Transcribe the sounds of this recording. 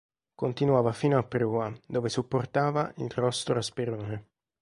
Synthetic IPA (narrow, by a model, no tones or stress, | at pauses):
kont̪inwaːvafiːnoapːɾuːad̪oːvesupːort̪aːvaʔḭlrɔst̪oaspeɾoːne